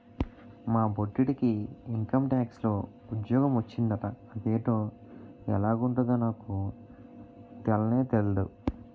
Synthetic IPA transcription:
maːboʈːiʈikiːŋkɐmʈaːkslo̞ː | ud̪jɔːɡɐmʋɐt͡ʃːind̪ɐʈɐːd̪eːʈo̞ː | ɛ̰laːɡuɳʈund̪ɐnaːku | t̪ɛlɐne̞ːt̪elɐɽu

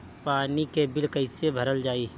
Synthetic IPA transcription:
paːnikebɪlkəɪsebʱəɾəld͡ʒaːiː

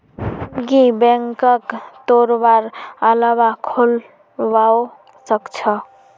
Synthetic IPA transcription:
ɡibɛŋkəkt̪oɾbaɾəlabakʰol | bao | səkt͡ʃʰʌ

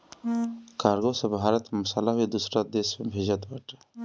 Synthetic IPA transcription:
kaːɾɡosebʱaːɾət̪mʊsalaɦuid̪usɾad̪eːsmebʱeːd͡ʒət̪baʈ

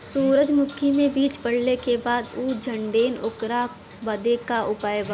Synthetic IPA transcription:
suːɾəd͡ʒmʊkʰimẽbiːt͡ʃpɐɽ̤lekebaːd̪uːd͡ʒʱɐ̃ɳɖeːnʊkɾa | bɐd̪ekaʔʊpaːjba

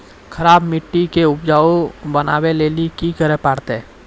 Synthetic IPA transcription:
kʰɐɾaːbmɪʈːikeʊpd͡ʒaːobənaːweleːlikikəɾepaːɽt̪ɛː

